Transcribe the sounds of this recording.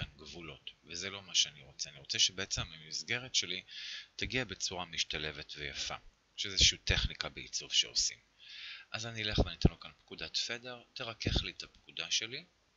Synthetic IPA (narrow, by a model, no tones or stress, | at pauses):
anɡvulo̞tvezelo̞maʃeaniʁo̞t͡seaniʁo̞t͡seʃebeet͡se̞mamizɡe̞ʁetʃelitaɡiabe̞t͡suʁamiʃt̪ale̞vetvejafa̰ | ʃezʃiuteχnikabeḭt͡suvʃḛo̰sim | ʔazaniːleχlanitanokanpkudat̪fe̞de̞ʁteʁake̞χlietapkudaʃe̞li